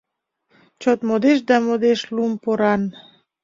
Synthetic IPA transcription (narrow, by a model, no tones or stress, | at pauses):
t͡ɕot̪mod̪eʃ̬d̪ɑmod̪eʃlumpoɾɑn